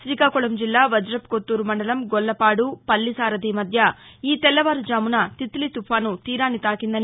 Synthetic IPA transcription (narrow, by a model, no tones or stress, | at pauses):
ʃɾiːkaːkuɭɐmd͡ʒilːaːʋɐd͡ʒɾɐp̚kot̪ːuːɾumɐɳɖɐlɐmɡɔlːɐpaːɽupɐlːisaːɾɐd̪iːmɐd̪ʱjɐ | iːt̪ɛlːɐʋaːɾud͡ʒaːmunɐt̪it̪lit̪upʰaːnut̪iːɾaːnit̪aːkind̪ɐni